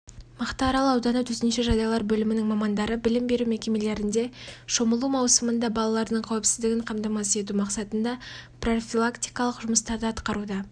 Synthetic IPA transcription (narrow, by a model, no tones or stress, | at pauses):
məqt̪ɑːɾɑlˠəɑwd̪ɑnət̪ʰɵt̪ɪnʃeʒɑd̪ɑjlˠɑɾbɵlɪmɪnɪŋmɑmɑnd̪ɑɾəbɪlɪmbe̞ɾume̞kʲe̞me̞le̞ɾɪnd̪e̞ʃo̞məlˠumɑwsəmənd̪ɑbɑlˠɑlˠɑɾd̪əɴqʰɑwɪpsɪzd̪ɪɡʲɪɴqʰɑmt̪ɑmɑsəe̞t̪̬umɑqsɑt̪ənd̪ɑpro̞fʲilˠakt̪ijkɑlˠəqʒʊməst̪ɑɾd̪əɑt̪qɑɾud̪ɑ